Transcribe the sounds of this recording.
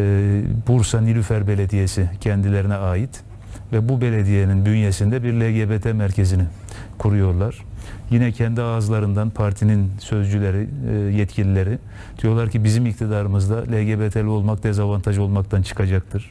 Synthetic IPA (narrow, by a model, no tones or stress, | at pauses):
buɾsanilʲyfæɾbe̞lʲed̪ijesicʰɛnd̪ilʲe̞ɾinɛaːjit̪ | vɛbube̞lʲed̪ijeninb̪ynjesind̪ɛbiɾlʲeɟebet̪ʰɛmæɾcʰezini | kʰuɾujo̞ɾlˠaɾ̥jinɛcʰɛnd̪iaːzlˠaɾɯnd̪anpʰaɾt̪ʰininsø̞zd͡ʒylʲeɾijɛt̪cʰilʲilʲe̞ɾi | d̪̥ijo̞ɾlˠaɾcʰibizimik̚t̪ʰid̪aɾɯmɯzd̪alʲeɟebet̪ʰelʲio̞lˠmak̚d̪ɛzavant̪ʰaʒo̞lˠmakt̪ʰant͡ʃʰɯ̥kʰad͡ʒak̚t̪ʰɯɾ̥